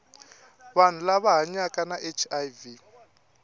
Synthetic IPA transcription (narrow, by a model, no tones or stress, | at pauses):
βan̤ulaβaɦaɲakʼanaʔet͡ʃʰajvi